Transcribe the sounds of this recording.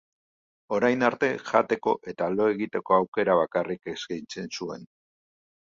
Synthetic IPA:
o̞ɾajnaɾt̪e̞ʝat̪e̞ko̞̰ʔe̞t̪alo̞e̞ɣit̪e̞ko̞awke̞ɾaβ̞akarikeskijnt͡se̞nsue̞̰n

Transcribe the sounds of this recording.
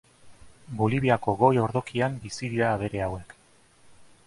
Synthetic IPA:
bo̞liβ̞iako̞ɣo̞jo̞ɾðo̞kiambisiðiɾaːβ̞e̞ɾe̞awe̞k

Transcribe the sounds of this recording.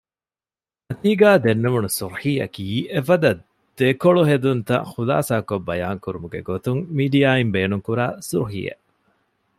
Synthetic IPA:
nɐt̪iːɡaːd̪enːeʋunusuɾħiːɐ̰kiːʔefɐd̪ɐ | d̪̥ekoɭuɦed̪unt̪ɐ̰χula̰ːsaːkobːɐjaːŋkuɾumuɡḛɡot̪uŋmiːɖijaːimbeːnuŋkuɾa̰ːsuɾħḭjḛʔ

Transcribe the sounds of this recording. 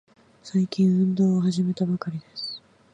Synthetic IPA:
saikʲĩɰ̃ɯ̟̃nd̪oːoɦaʑime̞t̪abakaɾʲid̪esɨ̥

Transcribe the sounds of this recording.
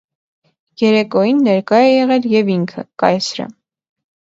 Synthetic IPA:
jɛɾɛkɔjinːɛɾkɑjɛjɛʁɛljɛviŋkʰə̰kɑjsɾə̰

